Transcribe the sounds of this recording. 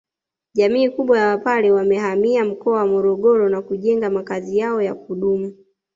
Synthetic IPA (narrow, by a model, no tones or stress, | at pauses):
ʄamiːkuɓwajawapaɾɛwamɛhamiam̩kɔawamɔɾɔɠɔɾɔnakuʄɛŋɡamakazijaɔjakuɗumu